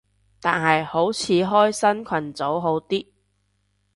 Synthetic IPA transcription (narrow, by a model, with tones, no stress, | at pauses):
t̪aː˨nɦɐ˨jho˨˥wt͡sʰiː˨˥ɦɔː˥jsɐ˥nkʷʰwɐ˨˩nt͡so˨˥wɦo˨˥wt̪iː˥